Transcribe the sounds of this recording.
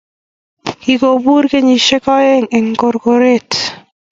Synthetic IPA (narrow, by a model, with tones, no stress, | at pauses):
ki˨ko˨bu˦ɾke˦ɲi˨ʃe˦kɔ˦e˦ŋe˨ŋko˨ɾko˨ɾe˦t